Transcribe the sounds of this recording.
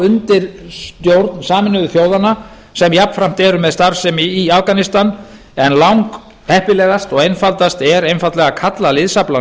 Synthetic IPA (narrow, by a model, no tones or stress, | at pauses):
ʏnt̪ɪɾst̪jowɾt̪nsaːmɪnʏðʏθjoːwðana | sɛmjapnfɾam̥t̪ɛɾʏmɛðst̪aɾsɛmiafkanɪst̪an | ɛnlawŋk | hɛhpɪlɛːɣast̪ɔɣejnfalt̪ast̪ɛɾejnfalt̪lɛɣakʰat̪lalɪðsapla